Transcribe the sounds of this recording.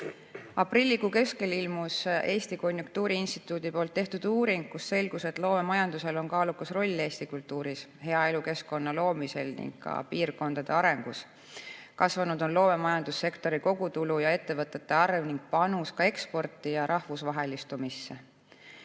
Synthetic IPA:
ɑprilʲːiɡuke̞ske̞lilmuse̞ːst̪iko̞nʲjuŋk̚t̪uːɾiinst̪i̥t̪ːˑuːd̪̥ipo̞ːlt̪ːe̞ht̪ud̪̥uːɾiŋɡ̚kusːe̞lɡuse̞t̪lo̞ːme̞mɑjɑnd̪use̞lo̞nkɑːlukusro̞lʲːe̞ːst̪ikult̪ːuːɾishe̞ɑe̞luke̞sko̞nːɑlo̞ːmise̞̰lnḭŋɡ̥kɑ̰piːrko̞nd̪ɑd̪̥e̞ɑɾe̞ŋɡ̥us | kɑsvɑnud̪̥o̞nlo̞ːme̞mɑjɑnd̪usːe̞kt̪o̞ɾiko̞ɡ̥ut̪ulujɑe̞t̪ːe̞vɤt̪ːˑe̞t̪ːˑe̞ɑrvniŋɡ̥̚pɑnuskɑe̞kspo̞rt̪ːˑijɑɾʔɑhvusvɑɦe̞list̪umisːe

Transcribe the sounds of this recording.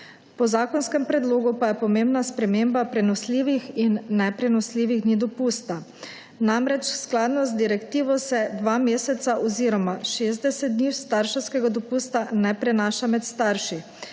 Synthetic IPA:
pɔzaːkɔnskɛmpɾɛd̪loːɡupajɛpɔmembnaspɾɛmeːmbapɾɛnɔsliːʋixinːɛpɾɛnɔsliːʋiɣd̪nid̪ɔpuːst̪a | namɾɛt͡ʃsklaːd̪nɔzd̪iɾɛkt̪iːʋɔsɛd̪ʋaːmeːsɛt̪saʔɔziːɾɔmaʃeːzd̪ɛsɛt̪̚d̪niːwst̪aɾʃɛwskɛɡad̪ɔpuːst̪anɛpɾɛnaːʃamɛt̪st̪aɾʃi

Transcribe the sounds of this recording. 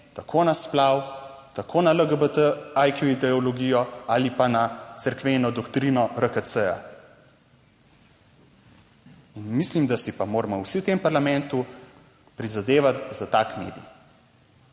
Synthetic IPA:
t̪akʰonasplaːwt̪akʰoːnaləɡəbət̪əajkjuid̪ɛɔlɔɡijɔalipanasəɾkʋenɔd̪ɔkt̪ɾinɔɾəkəsəja̰ | inmislimd̪asipamoːɾmɔwsit̪empaɾlamɛ̃nt̪u | pɾizad̪eːʋat̪zat̪aːkmḛːd̪ḭj

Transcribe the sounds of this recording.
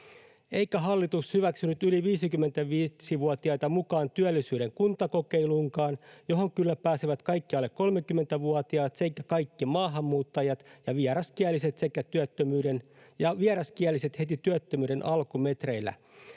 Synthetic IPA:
eikæɦɑlːit̪ushyʋæksynyt̪yliʋiːsikymːe̞nt̪æʋiːsiʋuɑt̪iɑjt̪ɑmukɑːnt̪yælːisyːɾe̞ŋkunt̪ɑko̞keiluŋkɑːnjo̞ɦo̞ŋkylːæpæːsiʋæt̪kɑikːiɑlːekko̞lmekymːet̪æʋuɔt̪iɑːt̪seikːækɑijkːimɑːɦɑmːuːt̪ːɑjɑt̪jɑʋiɛɾɑskiælːise̞t̪sekːæt̪yøt̪ːømyːden | jɑʋieɾɑskiælːˑise̞t̪he̞t̪it̪yøt̪ːømyːde̞nʔɑlkume̞t̪re̞ilːˑæ̰

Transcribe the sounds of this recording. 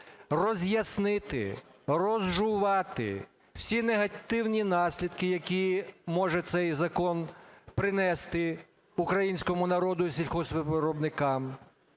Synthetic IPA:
rɔzʲjɐsnɪt̪ɪ̰rɔzʒʊʋɑt̪ɪ̰ | w̥sʲineɦɐt̪ɪwnʲinɑsʲlʲid̪kɪjɐkʲimɔʒɛt̪sɛjzɐkɔnpɾɪnɛst̪ɪ | ukɾɐjinʲsʲkɔmʊnɐɾɔd̪ʊisʲilʲxɔsʲʋɪɾɔbnɪkɑm

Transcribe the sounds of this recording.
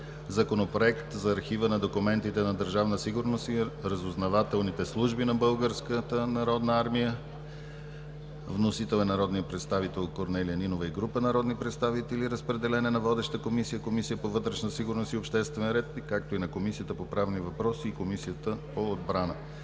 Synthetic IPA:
zɐkonopɾoɛkt̪zɐːɾxivənɐd̪okumɛnt̪it̪ɛnɐd̪əɾʒavnəsiɡʊɾnosiɾəzoznɐvat̪ɛlˠnit̪ɛslˠuʒbinɐbɤlˠɡəɾskət̪ənɐɾɔd̪nəaɾmijə | vnosit̪ɛlˠɛnɐɾɔd̪nijəpɾɛt̪st̪avit̪ɛlˠkoɾnɛlijəninovəiɡɾupənɐɾɔd̪nipɾɛt̪st̪avit̪ɛliɾəspɾɛd̪ɛlɛnɛnɐvɔd̪ɛʃt̪əkomisijəkomisijəpovɤt̪ɾɛʃnəsiɡʊɾnosiopʃt̪ɛst̪vɛnɾɛt̪kak̚t̪oinɐkomisijət̪əpopɾavnivɐpɾɔsiːkomisijət̪əpoːd̪bɾanə̰

